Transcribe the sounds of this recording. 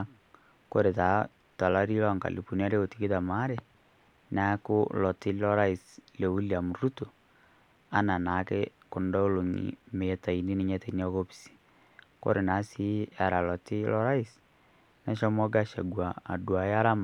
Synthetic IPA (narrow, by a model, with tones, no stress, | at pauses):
ko˦ɾe˨ta˨ | ta˨la˦ɾi˦lɔ˦ŋka̰˨li˨pu˨ni˦a˦ɾe˦o˨ti˨ki˦ða˨ma˦ɾe˨ | na˦ko˦lɔ˨ti˦lɔ˦ɾa˦i˨sle˨u˦lia˨mu˨ɾu˦to˨ | a˦na˨na˨kɛ˦ko˨ndɔ˦o˦lo˨ɲḭ˨me˨ta˨i˨ni˦ne˦ɲɛ˦ta˨i˨ni˦ɔ˦ko˦pi̥˨si̥˨ | ko̰˦ɾe˨na˨˦si˦a˨ɾa˨lɔ˨ti˦lɔ˦ɾa˦i˦s | na˦ʃɔ˦mɔ˦ɡa˦ʃa˨ɡwa˨a˨dwa˨ja˦ɾa˦ma˨